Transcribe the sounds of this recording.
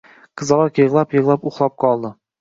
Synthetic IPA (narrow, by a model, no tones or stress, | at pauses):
qʰɨzɑlˠɑɾkʲjɪʁlˠapjɤʁlˠapʊχlˠɑp̚qʰɒlˠd̪ɪ